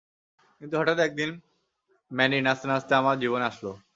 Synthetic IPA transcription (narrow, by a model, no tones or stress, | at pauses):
kint̪uɦɔʈat̪ɛk̚d̪in | mɛninast̪nast̪eamald͡ʑiʋənaslo